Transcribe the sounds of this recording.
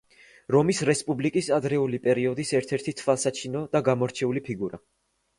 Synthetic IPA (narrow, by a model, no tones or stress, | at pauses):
ɾɔmisɾɛspʼublikʼisad̪ɾɛulipʼɛɾiɔd̪isɛɾt̪ʰɛɾt̪ʰit̪sʰvalˠsat͡ʃʰinɔd̪aɡamɔɾt͡ʃʰɛulipʰiɡuɾa̰